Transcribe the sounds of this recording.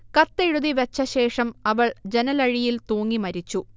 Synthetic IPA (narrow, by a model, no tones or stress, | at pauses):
kɐt̪ːeɻuðiʋet͡ɕːɐɕe̞ːʂɐmɐʋɐɭd͡ʑenɐlɐɻijilt̪oːŋːimɐɾit͡ɕːu